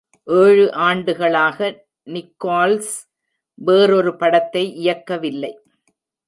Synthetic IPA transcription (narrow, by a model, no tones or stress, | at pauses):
ʔeːɻɯʔaːɳɖɯɣɐɭaːɣɐ | nɪkːaːls | ʋeːɾɔɾɯpɐɽɐt̪ːɐɪʔɪjɐkːɐʋɪlːɐɪ